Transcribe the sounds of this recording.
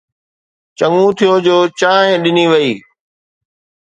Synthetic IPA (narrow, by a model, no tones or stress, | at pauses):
t͡ɕɐŋũt̪ʰijod͡ʑoːt͡ɕaːɦɪ̃ɗɪniʋɐiː